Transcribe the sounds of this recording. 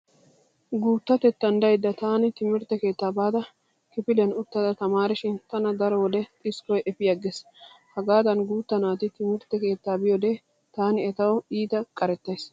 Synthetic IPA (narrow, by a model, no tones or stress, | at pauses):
ɡuːt̪ːɐt̪ɛt̪ːɐnd̪ɐjd̪ːɐt̪aːnɪt̪ɪmɪɾt̪ːɛke̞ːt̪ːaːbaːd̪ɐ | kɪpɪlɛnʊt̪ːɐd̪ɐt̪ɐmaːɾɪʃɪnt̪ɐnɐd̪ɐɾɔwɔd̪ɛt̪ʼɪskɔjʔɛfɪjɐɡːeshɐɡaːd̪ɐnɡuːt̪ːɐnaːt̪ɪt̪ɪmɪɾt̪ːɛke̞ːt̪ːaːbɪjɔd̪eː | t̪aːnɪɛt̪ɐwiːt̪ɐkʼɐɾɛt̪ːɐjs